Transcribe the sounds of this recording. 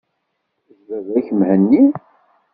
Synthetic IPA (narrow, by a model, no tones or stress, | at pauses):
zvəðæçəmhənːi